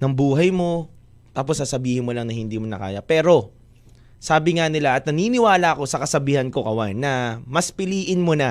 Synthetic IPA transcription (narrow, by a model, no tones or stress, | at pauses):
nɐŋbuːɦɐjmo̞ | t̪aːposːasɐbiːhɪnmo̞lɐŋnɐhɪnd̪iːmonɐ̰ka̰ːjɐpɛːɾo̞ | saːbɪŋanɪlaʔɐt̪̚nɐniːnɪwaːlɐʔɐko̞sɐkɐsɐbiːhɐnko̞kɐwanːɐmɐspɪliːʔɪnmonɐ